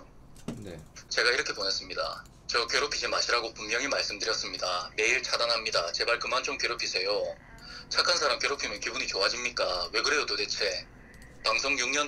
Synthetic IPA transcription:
net͡ɕe̞ɡaiɾʌkʰe̞pones͈ɯmɲida̰ | t͡ɕʌkjeɾopʰid͡ʑimaɕʰiɾaɡopummjʌŋimaɭs͈ɯmdɯɾjʌs͈ɯmɲidame̞iɭt͡ɕʰadanɦamɲidat͡ɕe̞baɭkɯmant͡ɕomkjeɾopʰisʰe̞jo | t͡ɕʰakʰansʰaɾamkjeɾopʰimɯnkibuɲit͡ɕoad͡ʑimɲik͈awe̞kɯɾe̞dotote̞t͡ɕʰe̞ | paŋsʰoŋjuŋɲʌn

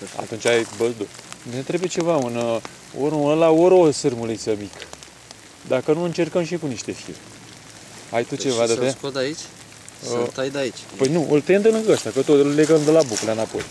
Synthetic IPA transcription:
a̰t̪unt͡ʃʲajbəzd̪onet̪ɾebujet͡ʃe̞vaun | oɾonəlaoɾosɨrmulisəmik | d̪akənuɨnt͡ʃe̞rkəmʃ̬ikuniʃt̪e̞fḭrʲ | a̰jt̪ut͡ʃe̞vad̪at̪eaot̪ait͡ʃʲ | ət̪ajd̪ait͡ʃʲpəjnuʔɨlt̪eɨnd̪əlɨkəɡaʃt̪akət̪ot̪ɨlleɡəmd̪əlabukulanapo̞̰j

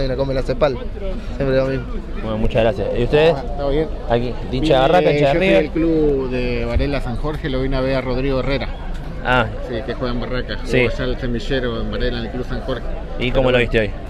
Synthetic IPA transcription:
junakomelasepalsjempɾeomimo | enomut͡ʃaɣɾasjasiust̪eðest̪aoβjenaki | d̪it͡ʃaβarakat͡ʃrieelkluðeβaɾelasaŋxoɾxeloβinaβearoðɾiɣoereɾa | asikexweɣambarakasisalsemiʃeɾoembaɾelanelklusaŋxoɾxe̥ | ikomoloβist̪eo̞j

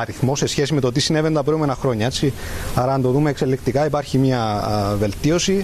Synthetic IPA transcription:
ɐɾiθmo̞se̞sçe̞sime̞t̪o̞t̪isinevent̪ɐpɾomenɐxɾo̞ɲɐet͡sːiɐɾɐːnt̪o̞ðumeːkselːekt̪ikɐipɐɾçimɲɐve̞lt̪io̞si

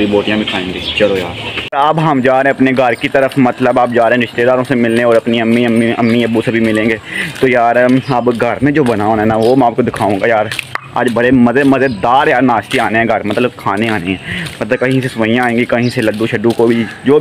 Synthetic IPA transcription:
ɾiboːʈijãbʱikʰaːẽːŋɡiːt͡ʃɐlojaːɾaːbɦɐmd͡ʒaːɾɦẽɐpneɡʱɐɾkit̪əɾəfmɐt̪ləbaːp̚d͡ʒaːɾẽɦɛ̃ɾɪʃt̪ed̪aːɾõsemɪlneɔːɾɐpniɐmːiɐmːiɐmːiɐbusebʱimɪlẽːŋɡeːt̪ojaːɾaːpɡʱɐɾmẽd͡ʒoːbɐnaːonːnaʋoːmɛ̃aːp̚kod̪ɪkʰaːũːŋɡajaːɾa̰ːd͡ʒbɐɾemɐzemɐzed̪aːɾjaːɾnaːʃt̪iaːneɦɛ̃ɡʱɐɾmɐt̪ləbkʰaːneaːneɦɛ̃ːmɐt̪ləb̚kɐɦĩsesʋəijãːẽːŋɡikɐɦĩseləd̪ũʃɐɖːũkobʱid͡ʒoː

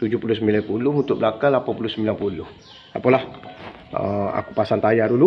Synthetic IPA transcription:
t̪ud͡ʒʊhpulʊs̬əmbilanpulʊɦunt̪ʊk̚bəlakaŋlapanpulʊhsəmbilanpulʊh | apalah | ə̰a̰ku̥pasant̪ajaɾulu

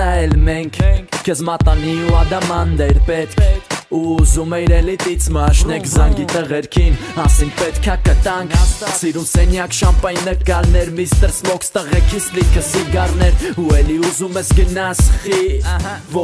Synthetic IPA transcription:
ɛlmɛŋkʰkəzmɑt̪ɑniuɑd̪ɑmɑnd̪ɛɾpɛt̪kʰuːzumɛiɾɛlit̪it͡sʰmɑʃnɛkʰzɑŋɡit̪əʁɛɾkʰinɑsinpɛt̪kʰɑkət̪ɑŋkʰsiɾumsɛnjɑkʃɑmpɑjnːəkɑɾnɛɾmist̪əɾspɔkst̪əʁɛkʰislikʰəsiɡɑrnɛɾuɛliuzumɛsɡənɑsχivɔ

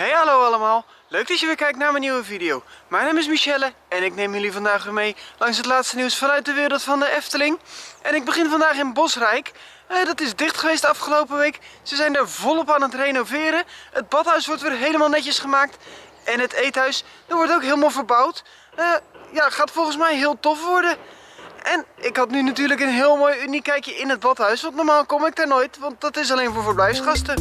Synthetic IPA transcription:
ɦejɦalowɑlˠəmaːlˠ | løɥk̚dɑsjəʋɪkɛjk̚tnaːmənːiwəvidijowmɛjnaːmɪs̬miʃɛlə | ɛnɪknejmjɵlivɑndaːχʋɪːmejlɑŋsɦətlaːtstəniwsfɑnœɥt̚dəʋɪːɾəlˠtfɑndəʔɛftəlɪŋʔɛnɪɡ̚bəχɪnvɑndaːχɪnbɔsrɛjk | ədɑtɪzdɪχtχəʋejstɑfχəlowpəʋejksəzɛjndaːɹvɔlˠɔpaːnətrejnovɪːɾəəd̚bɔtɦœɥsʋɔɹtʋɪːrɦejləmaːlˠnɛcəsχəmaːk̚t | ʔɛnətejtɦœɥs | d̥əɹʋɔɹtowkɦɪːlˠmaːlˠvərbʌwt | əjaχaːtfɔlˠχənsmɛjɦɪːlˠtɔfʋɔɹdə | ʔɛnɪkɦɑtnynatyːɹləkənɦɪːlˠmoːjynikɛjkjəɪnət̚bɔtɦœɥsʋɑntnɔɹmaːlˠkɔmɪk̚daːɹnoːjtʋɑnt̚dɔtɪs̬alejnvʊːɹvərblɛjfsχɑstə

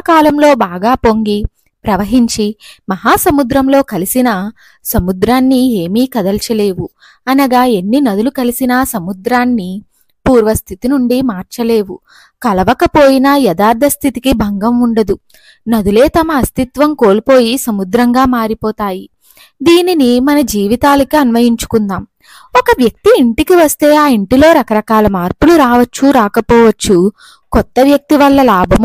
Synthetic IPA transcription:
kaːlɐmlo̞ːbaːɡaːpo̞ŋɡi | pɾɐʋɐɦiɲt͡ʃimɐɦaːsɐmud̪ɾɐmlo̞ːkɐlisinɐ | sɐmud̪ɾaːnːie̞ːmiːkɐd̪ɐlt͡ʃɐle̞ːʋu | ɐnɐɡaːe̞nːinɐd̪ulukɐlisinɐsɐmud̪ɾaːnːi | puːɾʋɐst̪ʰit̪inuɳɖimaːɾt͡ʃɐle̞ːʋu | kɐlɐʋɐkɐpo̞ːjinɐjɐd̪aːɾd̪ʱɐst̪ʰit̪ikibʱɐŋɡɐmuɳɖɐd̪u | nɐd̪ule̞ːt̪ɐmɐːst̪it̪ʋɐmko̞ːlipo̞ːjisɐmud̪ɾɐŋɡaːmaːɾipɔːt̪aːji | d̪iːninimɐnɐd͡ʒiːʋit̪aːlɐkiɐnʋɐjiɲt͡ʃu̥kund̪aːm | ɔkɐʋjɐk̚t̪iːɳʈikiʋɐst̪e̞ːaːiɳʈilo̞ːɾɐkɐɾɐkaːlɐmaːɾpuluɾaːʋɐt͡ʃːuɾaːkɐpɔːʋɐt͡ʃːu | kɔt̪ːɐʋjɐk̚t̪iʋɐlːɐlaːbʱɐm

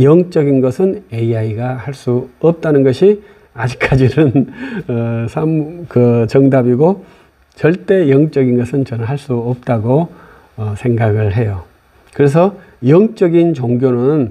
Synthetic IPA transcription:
jʌŋt͡ɕ͈ʌɡinɡʌsʰɯne̞iaiɡahaɭs͈uʌp̚t͈anɯnɡʌɕʰi | ad͡ʑik̚k͈ad͡ʑinɯnʌsʰamkɯt͡ɕʌŋdabiɡo | t͡ɕʌɭt͈e̞jʌŋt͡ɕ͈ʌɡinɡʌsʰɯnt͡ɕʌnaɦaɭs͈uʌp̚t͈aɡo | ʌsʰe̞ŋɡaɡɯɭɦe̞jo | kɯɾe̞s̬ʰʌ | jʌŋt͡ɕ͈ʌɡint͡ɕoŋɡjonɯɯn

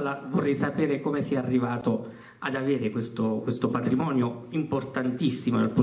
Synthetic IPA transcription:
lavorːɛjsapeːɾekomesiɛarːivaːt̪o | ad̪aveːɾekwest̪okwest̪opat̪ɾimɔːnjoimport̪ant̪isːimoalpo

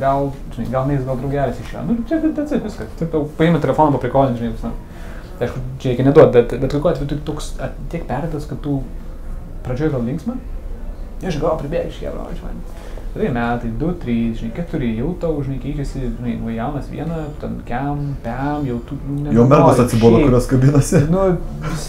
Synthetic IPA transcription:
ɡɐlˠʒʲɪnɐɪɡɐlˠmʲɛɪsɡɐlˠd̪ɾɐʊɡʲæːlʲɛsɪʃjo̰ːnʊt͡ʃʲɛtɪt̪ʲɛt͡sʲɪʋʲɪskɐt̪ɪt̪ɐʊpɐeɪmɐtʲɛlʲɛfoːnoːpɐpʲɾʲɪkoːlʲnʲsʒnɐɪjɛʊksn | t̪ɪɪʃkʊt͡ʃʲɛɾɛɪkʲɛnʲɛd̪uɔt̪̚bʲɛt̪bʲɛt̪kokuːɑːt̪ʲʋʲɛjʊt̪kʲt̪oːksɐtt̪ʲiɛkpʲæːɾʲɛd̪ɐskɐtt̪ʊ | prɐd͡ʒʲoːjɡɐlˠlʲɪŋksʲmʲɐ | ɐʃʒɪnɪoːpʲɾʲɪbʲeːɪʃʲjʲɛ̰ʋo̰t͡ʃʲɛmɐ̰nʲ | ʋʲɐd̪ɐmʲæːt̪ɐɪd̪ʊt̪ʲɾʲiːsʒʲɪnɐɪkʲæt̪ʊɾʲɪjɛʊt̪ɐʊʒʲɪnɐɪkʲɛɪt͡ʃʲɛsʲɪʒʲɪnɐɪnɐjɛʊnɐsʋʲḭɛnɐt̪ʲɛnkʲɛmpʲæmjɛʊt̪unnʲɛjɛʊmʲɛɡɐsɐt̪ʲsʲɪbuɔlɐkʊɾʲoːskɐbʲɪnɐsʲɪnʊ

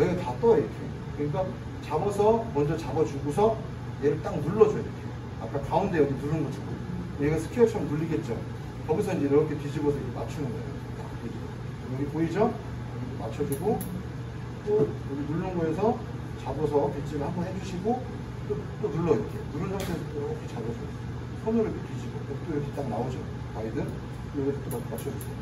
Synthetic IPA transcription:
nʌiɡatat͈oaiɾʌkʰe | kɯɲik̬͈a | t͡ɕabʌsʰʌmʌnd͡ʑʌt͡ɕabʌd͡ʑuɡosʰʌ | jeɾɯɭt͈aŋnuɭːʌd͡ʑʌiɾʌkʰe̞̰ | ap͈ʰːakaunde̞jʌɡinuɾɯnɡʌd͡ʑʰiɡo̰ | koeɡasʰɯ̥kʰeʌt͡ɕʰʌmnuɭːiɡe̞t̚t͡ɕ͈o | ʌbisʰʌiɲd͡ʑeiɾʌkʰe̞tid͡ʑʰiɡosʰʌid͡ʑema̰t͡ɕʰunɯnʌɯ | t͈ak͈ed͡ʑiɡo | ʌɡipoid͡ʑʌ | ʌɡitomat͡ɕʰʌd͡ʑiɡo | t͈o | uɡinuɭːɯnɡʌesʰʌ | t͡ɕabosʰʌpit͡ɕ͈iɾɯɭhambʌnɦed͡ʑuɕʰiɡo | t͈ot͈onuɭːʌiɾk͈ʰenuɾɯnʌsʰesʰʌt͈oʌkʰet͡ɕabosʰʌs | sʰʌnɯɾʌkʰetɥid͡ʑiɡook̚t͈oɾʌkʰet͈aŋnaod͡ʑo | maɾidɯn | jʌɡett͈omakʰemat͡ɕʰʌd͡ʑus͈ʌ

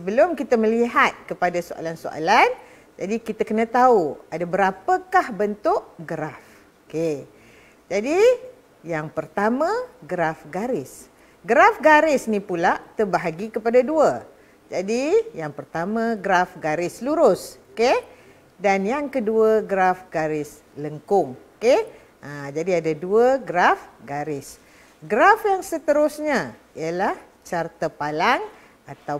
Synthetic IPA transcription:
səbəlʊmkit̪aməliɦat̪̚kəpadasoa̰lansoʔa̰lan | d͡ʒadikit̪akənãt̪auadabəɾapəkahbənt̪ʊʔɡəɾaf | oke | d͡ʒadi | jaŋpərt̪amãɡəɾafɡaɾɪs | ɡəɾafɡaɾɪsnipulaʔt̪ərbaɦaɡikəpadaduə | d͡ʒadijaŋpərt̪amãɡɾafɡaɾɪsluɾʊsoke | danjaŋkəduəɡɾafɡaɾɪs | ləŋkʊŋoke | ʔad͡ʒadiadaduəɡɾafɡaɾɪs | ɡɾafjaŋsət̪əɾʊsɲa | ijəlah | t͡ʃart̪apalaŋ | at̪a

